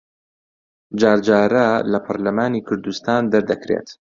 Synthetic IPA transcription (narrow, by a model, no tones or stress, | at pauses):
d͡ʒaːɾd͡ʒaːɾɐlɐpʰɐɾlɐmaːniːkʰʊɾd̪ust̪aːnd̪ɐɾd̪ɐkɾḛːt̪